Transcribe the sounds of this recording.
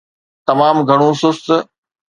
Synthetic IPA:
t̪ɐmaːmɡʱɐɽ̃ũsʊst̪̆

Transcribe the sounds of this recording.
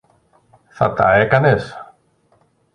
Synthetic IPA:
θa̰t̪a̰ekanes

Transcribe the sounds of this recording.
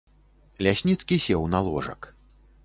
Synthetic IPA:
lʲasʲnʲit̪skʲisʲɛwnalˠɔ̰ʐɐ̰k

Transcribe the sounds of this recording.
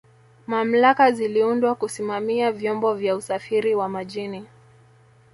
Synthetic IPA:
mam̩lakaziliundwakusimamiavjɔmbɔvjausafiɾiwamaʄini

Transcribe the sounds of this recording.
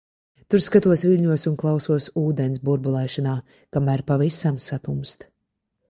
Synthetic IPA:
t̪uɾskat̪uɔsvilʲɲuɔsunklˠawsuɔsuːd̪ɛns̬buɾbulˠɛjʃanaː | kamæːɾpavisamsat̪umst̪

